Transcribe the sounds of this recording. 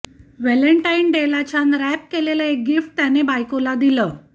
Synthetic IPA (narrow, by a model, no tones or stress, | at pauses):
ʋɛləɳʈajnɖelat͡ɕanɾɛp̚keleləek̚ɡifʈ̚t̪janebajkolad̪iləː